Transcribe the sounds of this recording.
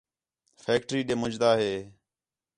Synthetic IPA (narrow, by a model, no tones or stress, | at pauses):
fʰeːk̚ʈɾiːɗeːmʊd͡ʒd̪aːɦeː